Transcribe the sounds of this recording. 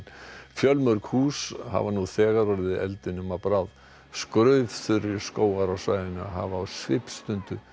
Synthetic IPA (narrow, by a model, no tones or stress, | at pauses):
fjœlmœɾkhuːsha̰vanuθɛːɣaɾɔɾɪðɪʔɛ̰lt̪ɪnʏmapɾað | skɾœɥv̥θʏɾɪɾskoːwaɾawsaːjðɪnʏɦa̰vaːwsvɪpst̪ʏnt̪ʏ